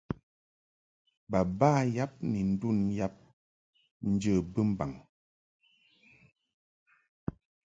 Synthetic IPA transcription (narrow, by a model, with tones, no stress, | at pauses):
ba˨baː˦ja˦p̚ni˨n̩˦du˦˨nja˦p̚ | n̩˦d͡ʒə˦˨bə˦m̩˦ba˨ŋ